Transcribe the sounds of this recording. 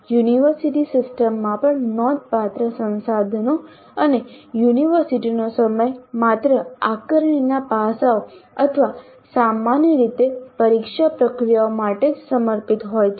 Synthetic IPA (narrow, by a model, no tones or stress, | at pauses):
juniʋəɾsiʈisɪsʈəmːãpəɳnɔd̪̚ʱpat̪ɾəsə̃nsad̪ʱəno | ənejuniʋəɾsiʈinosəməjmat̪ɾəakəɾəɳinapasaoət̪ʰəʋa | samanjəɾit̪epəɾikʃapɾəkɾijaomaʈed͡ʒsəməɾpit̪ɦojt͡ʃʰe